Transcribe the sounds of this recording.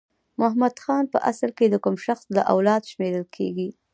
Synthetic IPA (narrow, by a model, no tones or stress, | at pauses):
mʊhmad̪xɑnpə̰ʔasəlked̪əkʊmʃaxslaʔa̰wlɑd̪ʃmeɾəlkʰḛɡi